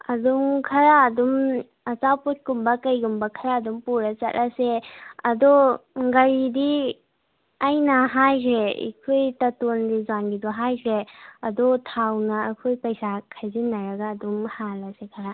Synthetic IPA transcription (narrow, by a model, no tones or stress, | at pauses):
ɐdumkʰɐɾaːdum | ɐt͡ʃaput̚kumbɐkɐjɡumbɐkʰɐɾaːdumpuɾat͡ʃɐtlʔaseɐdɔɡɐɾidi | ajnɐɦajkʰɾeḭkʰojtɐtondizanɡidɔɦajkʰɾeɐdɔtʰawnɐːkʰojpɐjsakʰajzinːɐɾɐɡaːdumhalasekʰaɾa